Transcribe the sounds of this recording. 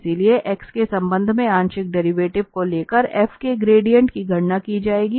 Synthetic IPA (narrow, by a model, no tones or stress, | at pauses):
silieʔɛkskesɐ̃mbə̃nd̪ʱmẽãːɲʃɪk̚ɖɛːɾiʋeːʈɪʋkoleːkəɾɛːfʰkeɡɾeːɖijə̃ɳʈkiɡʱɐɽnakid͡ʒaːeːɡiː